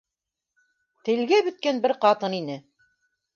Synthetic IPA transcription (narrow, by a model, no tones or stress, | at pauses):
t̪ɘ̆lɡæbɵ̆t̪̚kænbɘɾqɑt̪ɤninɘ